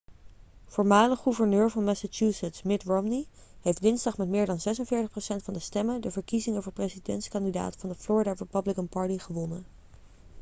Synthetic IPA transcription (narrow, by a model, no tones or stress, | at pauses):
fʊːɹmaːləχuvəɹnøːɹvɑnmɛsat͡ʃusətsmɪtɹomni | ɦejftdɪnzdɑχmɛtmɪːɹdɑnzɛsənvɪːɹtəχprowsɛntfɑndəstɛməndəvəɹkizɪŋəvʊːɹprezidɛntskɑndida̰ːtəfɑndəflʊːɹidaɹəpəblɪkəmpɑɹtiχəʋɔnən